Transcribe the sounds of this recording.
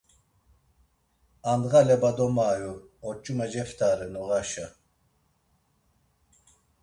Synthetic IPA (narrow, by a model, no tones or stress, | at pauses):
and̪ɣalɛbad̪ɔmaːjuɔt͡ʃʼumɛd͡ʒɛft̪ʰaːɾɨnuɣaʃa